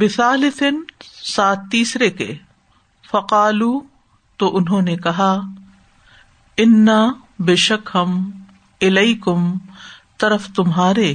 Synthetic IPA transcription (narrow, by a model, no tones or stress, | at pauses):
bɪθaːlɪt̪ʰɪnsaːt̪ːiːsɾekḛ | fɐqaːluː | t̪oːʔʊnɦõːnekɐɦaː | ɪnːa | bɪʃɐkɦɐm | ɪlɐɪkʊmt̪ɐɾəft̪ʊmɦaːɾeː